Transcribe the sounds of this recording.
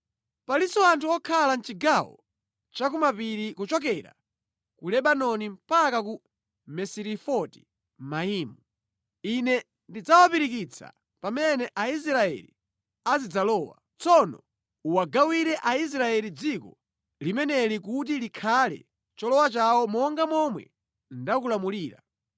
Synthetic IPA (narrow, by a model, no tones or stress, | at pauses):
palisɔantʰuɔkʰalant͡ʃiɡawɔ̰ | t͡ʃakumapiɾikut͡ʃɔk̬ɛɾa̰ | kulɛɓanɔnim̩pakaku | mɛsiɾifɔti̥ | maiːmu | inɛ | ndid͡zawapiɾik̬it͡sʰa̰ | pamɛnɛʔais̬ɾaɛ̰li | azid͡zalɔːwa̰ | t͡sɔnɔ̰ | uwaɡawiɾɛʔais̬ɾaɛɾid͡zikɔ | limɛnɛlik̬ut̬ilikʰalɛ̰ | t͡ʃɔlɔwat͡ʃawɔmɔŋɡamɔmwɛ̰ | ndakulamuliːɾa̰